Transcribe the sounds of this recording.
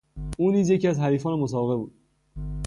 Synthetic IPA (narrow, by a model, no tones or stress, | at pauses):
ʔuːniːzjecʰiæzɦæɾiːfɒːnemos̬ɒːbeɣe̞buːd̪̥